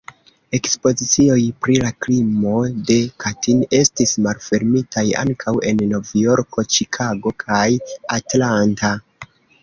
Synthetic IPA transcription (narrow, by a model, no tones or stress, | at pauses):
e̞kspo̞zit͡sio̞jpɾilaklimo̞de̞katʰine̞stismalfe̞ɾmitʰaja̰ŋkʰawe̞nːo̞vjo̞ɾko̞t͡ʃikʰaɡo̞kʰajatlanta